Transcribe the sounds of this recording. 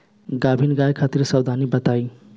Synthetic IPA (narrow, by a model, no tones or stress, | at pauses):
ɡabʱinɡajkʰat̪iɾsəwd̪ʱanibət̪aj